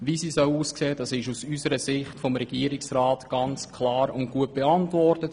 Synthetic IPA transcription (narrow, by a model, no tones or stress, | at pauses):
ʋisiːsœwuːskseːd̥ɑsɪʃusysəɾəsɪχtfɔmɾɛɡ̥iːəɾɪksɾaːtɡ̥ɑnt͡skʰlɑːɾʊnt̚ɡ̥uət̚b̥eɑntvɔrtət